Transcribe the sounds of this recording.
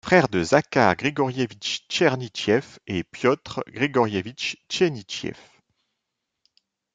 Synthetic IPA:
fχɛʁd̪əzakaʁɡʁeɡɔʁjevit͡ʃt͡ʃɛʁnit͡ʃjɛfepjɔt̪χɡʁeɡɔʁjevit͡ʃt͡ʃenit͡ʃjɛ̰f

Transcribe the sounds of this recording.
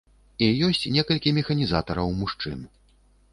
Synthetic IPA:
ijɔsʲt͡sʲnʲɛkɐlʲkʲimʲɛxɐnʲizat̪ɐɾɐwmuʂt͡ʂɨ̰n

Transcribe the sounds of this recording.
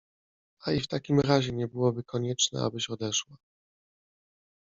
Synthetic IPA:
aift̪akʲimɾaʑɛɲɛbɘwɔbɘkɔɲɛt͡ʂnɛ̰a̰bɘɕɔd̪ɛʂwa

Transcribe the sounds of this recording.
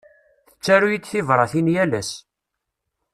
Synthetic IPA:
θə̥t͡sːæɾujid̪θivɾˤɑθinjælæs

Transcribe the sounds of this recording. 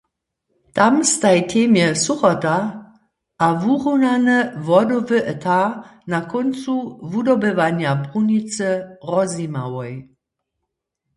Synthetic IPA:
tamst̪ajtʰeːmjɛsuχɔta | ʔavuʁunanəvɔdɔvəʔɛtʰanakɔnt͡suvudɔbəvanjabʁunit͡səʁɔzimawɔj

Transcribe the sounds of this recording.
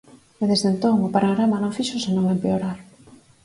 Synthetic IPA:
eðezðent̪oŋʊpaɾoɣɾamanõŋfiʃʊsenõŋempeoɾaɾ

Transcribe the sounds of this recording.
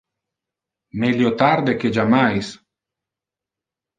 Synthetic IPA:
meljot̪aɾd̪eked͡ʒamajs

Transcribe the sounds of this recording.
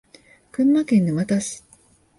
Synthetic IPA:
kɯ̟̃mːakẽ̞nːomat̪aɕi̥

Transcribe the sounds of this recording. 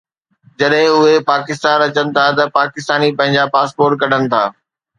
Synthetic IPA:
d͡ʑɐɗɦɪ̃ʊɦepaːkɪst̪aːnɐt͡ɕənɪ̆t̪ʰat̪ɐpaːkɪst̪aːnipɐ̃ɦɪ̃ɲd͡ʑapaːspoːɾʈ̚kɐɗ̤ənɪ̆t̪ʰaː

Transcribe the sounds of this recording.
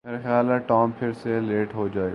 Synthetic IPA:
meːɾexjaːlɛʈɔːmpʰɪɾseleːʈɦod͡ʒaːe

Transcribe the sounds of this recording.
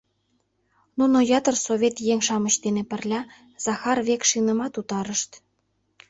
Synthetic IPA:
nunojɑt̪ərsoβʲet̪jeŋʲʃɑmə̆ɕt̪enepə̆rlʲɑ | z̥ɑxɑrβekʃinə̆mɑt̪ut̪ɑɾəʃt̪

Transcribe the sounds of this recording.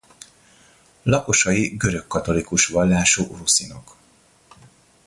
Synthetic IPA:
lɒko̞ʃɒjiɡø̞ɾø̞kːɒt̪o̞likuʃʋɒlːaːʃoːʔrusinok

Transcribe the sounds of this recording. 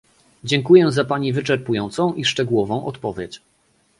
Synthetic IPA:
d͡ʑɛŋkujɛzapaɲivɘt͡ʂɛɾpujɔnt̪sɔ̃w̃ʔiʂt͡ʂɛɡuwɔvɔ̃w̃ʔɔt̪pɔvʲjet͡ɕ

